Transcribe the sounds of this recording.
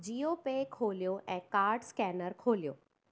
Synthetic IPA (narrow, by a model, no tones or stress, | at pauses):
d͡ʑiopekʰoːljoʔɛ̃ːkaːɾɖskɛːnəɾkʰoːlijoː